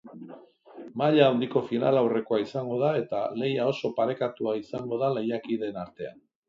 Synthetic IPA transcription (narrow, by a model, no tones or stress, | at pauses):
maʎaːwnd̪iko̞fina̰lawre̞ko̞aisaŋɡo̞ð̞ae̞t̪ale̞jao̞so̞paɾe̞kat̪uaisaŋɡo̞ð̞ale̞jakiðe̞naɾt̪e̞a̰n